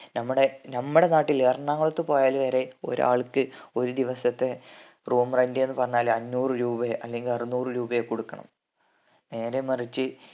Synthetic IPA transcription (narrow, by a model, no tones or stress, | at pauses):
nɐmːɐɽe̞nɐmːuɽe̞naːʈːileːrɐɳaːŋːɐɭot̪ːepo̞ːjaːlʋeɾeo̞̰ɾa̰ːɭkːɨo̞ɾud̪iʋɐsɐt̪ːe̞ | roːmrɐndɨe̞nːɨpɐrɐɲːaːlɐnːuːrɨɾuːbɐeʔɐlːe̞ŋɡilɐrinuːrɨɾuːbɐjekoɽukːɐɳɐ̰m | ne̞ːɾemɐrit͡ɕːɨ